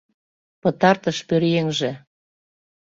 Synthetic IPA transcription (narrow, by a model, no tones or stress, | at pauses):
pɤ̆t̪ɑrt̪əʃpøɾjeŋʒĕ